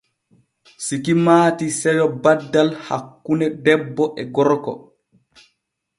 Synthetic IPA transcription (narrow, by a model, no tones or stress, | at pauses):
sikimaːtisɛjɔbadːalha̰kːunɛdɛbːɔʔɛɡɔɾkɔ̰